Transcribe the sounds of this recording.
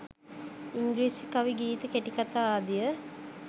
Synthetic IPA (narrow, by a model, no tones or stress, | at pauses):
iŋɡliːsikaʋiɡiːt̪əkeʈikat̪aːaːd̪ijə